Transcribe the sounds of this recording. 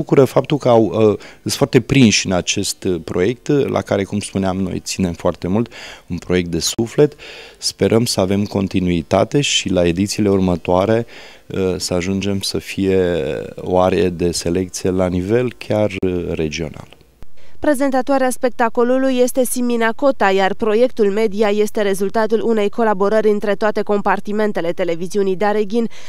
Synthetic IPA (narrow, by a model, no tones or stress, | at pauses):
bukuɾəfap̚t̪ulkəawɨsfoart̪e̞pɾinʃɨnat͡ʃe̞st̪pɾo̞je̞k̚t̪lʔa̰kaɾe̞kumspuneamno̞̰jt̪sine̞mfoart̪e̞mult̪unpɾo̞je̞k̚t̪d̪e̞sufle̞t̪spe̞ɾʔəmsəave̞mko̞nt̪inuit̪a̰t̪e̞ʃilae̞d̪it̪siːle̞urmət̪oaɾe̞ | əsəaʒund͡ʒe̞msəfije̞o̞̰aɾeed̪e̞se̞le̞k̚t̪sije̞lanive̞lkʲarːe̞d͡ʒio̞̰na̰l | pɾe̞ze̞nt̪at̪oaɾeaspe̞k̚t̪ako̞lulujːe̞st̪e̞siminako̞t̪ajarpɾo̞je̞kt̪ulme̞d̪ijaje̞st̪e̞ɾe̞zult̪at̪ulune̞jko̞labo̞ɾəɾʲɨnt̪ɾe̞t̪oat̪e̞ko̞mpart̪ime̞nt̪e̞le̞t̪e̞le̞viziunijd̪aɾe̞ɡʲin